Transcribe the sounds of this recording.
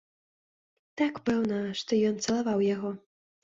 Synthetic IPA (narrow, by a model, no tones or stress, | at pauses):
t̪akpɛwnɐʂt̪ɔjɔnt̪sɐlˠavawjaɣɔ